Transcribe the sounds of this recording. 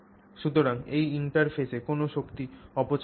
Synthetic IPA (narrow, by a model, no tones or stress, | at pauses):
ʃut̪oɾaŋejiɳʈaɾfʰesekonoʃokt̪iɔpot͡ɕ